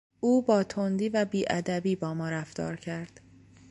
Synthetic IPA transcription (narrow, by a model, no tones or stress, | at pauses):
ʔuːbɒːt̪ʰond̪iːvæbiːʔæd̪æbiːbɒːmɒːɾæft̪ɒ̰ːɾcʰæɾd̪̥